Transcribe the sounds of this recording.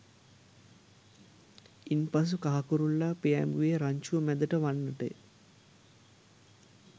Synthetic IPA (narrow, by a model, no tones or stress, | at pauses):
inpas̬ukaɦakuɾulːapeɛmbuʋeɾaɲt͡ʃuʋəmæd̪əʈəʋanːəʈə̰